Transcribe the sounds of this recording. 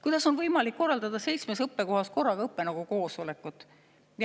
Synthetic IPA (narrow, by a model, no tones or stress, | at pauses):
kujd̪̥ɑso̞nvɤjmɑlikːo̞rːɑld̪ɑd̪̥ɑse̞jt̪smesɤpːe̞ko̞ɦɑsko̞rːɑɡɑɤpːe̞nɑɡ̥uko̞ːsole̞kːˑut̪ːˑ